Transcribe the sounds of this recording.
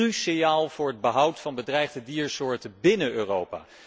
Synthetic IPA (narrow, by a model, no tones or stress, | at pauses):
ysɪjaːlˠv̥ʊːɹəd̚bəɦʌwtfɑnbədrɛjχdədiːɹsʊːɹtəbɪnənøːrowpa̰ː